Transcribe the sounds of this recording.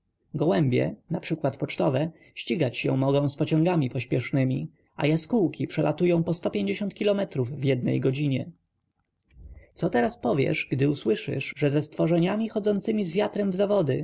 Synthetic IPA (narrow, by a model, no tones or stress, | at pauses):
ɡɔwɛmbʲjɛ̰napʂɘkwat̪pɔt͡ʂt̪ɔvɛ | ɕt͡ɕiɡat͡ɕɕɛ̰mɔɡɔ̃w̃spɔt͡ɕɔ̃ŋɡamʲipɔɕpʲjɛʂnɘmʲi | ʔa̰jaskuwkʲʰipʂɛlat̪ujɔ̃w̃pɔst̪ɔpʲjeɲd͡ʑeɕɔnt̪kʲilɔmɛt̪ɾuvːjɛd̪̚nɛ̰jɡɔd͡ʑiɲɛ | t̪sɔt̪ɛɾaspɔvʲjɛ̰ʂɡd̪ɘuswɘʂɘ̰ʐʐɛzɛst̪fɔʐɛɲamʲixɔd̪zɔnt̪sɘmʲizvʲjat̪ɾɛmvzavɔd̪ɘ